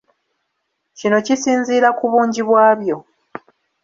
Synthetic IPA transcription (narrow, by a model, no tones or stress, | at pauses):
cino̞cisiːnziːɾakuβuːɲɟiβwaːβjo̞